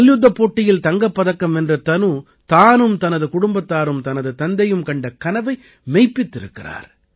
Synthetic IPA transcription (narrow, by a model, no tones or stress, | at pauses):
ɐljʊd̪ːɐpːoːʈːɪjɪlt̪ɐŋɡɐpːɐðɐkːɐmɛndrɐt̪ɐnu | t̪aːnɯmt̪ɐnɐðɯkʊɽʊmbɐt̪ːaːɾɯmt̪ɐnɐðɯt̪ɐnd̪ɐjɯmkɐɳɖɐkɐnɐʋɐɪ | mɛɪpːɪt̪ːɪɾɯ̰kːɪra̰ːɾ